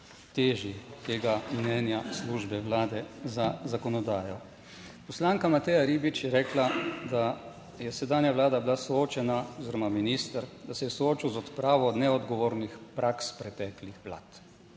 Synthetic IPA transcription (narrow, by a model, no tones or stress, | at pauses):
t̪eːʒit̪eːɡamnɛːnjasluʒbɛʋlaːd̪ɛzazakɔnɔd̪aːjɔ | pɔslaːŋkamat̪ɛːjaɾiːbit͡ʃjɛɾɛːklad̪a | jɛsɛd̪aːnjaʋlaːd̪abilasɔoːt͡ʃɛnaɔziɾɔmaminist̪əɾd̪asɛjɛsɔoːt͡ʃiwzɔt̪pɾaːʋɔnɛɔd̪ɡɔʋoːɾnixpɾʔakspɾɛt̪ɛːklixʋla̰ːt̪